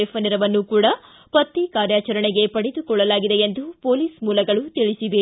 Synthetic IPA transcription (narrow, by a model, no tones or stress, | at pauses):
epɐniɾɐʋɐnːukuːɽɐ | pɐt̪ːikaːɾjaːt͡ʃɐɾɐɳeɡe̞pɐɽed̪ukɔɭːɐlaːɡid̪eend̪upo̞ːliːsmuːlɐɡɐɭut̪iɭisiʋe